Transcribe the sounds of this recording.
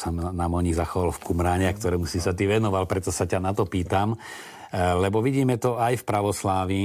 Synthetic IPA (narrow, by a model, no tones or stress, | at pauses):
sanamɔɲiɣzaxɔʋalfkumɾaːɲɛakt̪ɔɾɛːmusisat̪iʋɛnɔʋalpɾɛt̪ɔsacanat̪ɔpiːt̪am | lɛbɔʋiɟiːmɛt̪ɔajfpɾaʋɔslaːʋi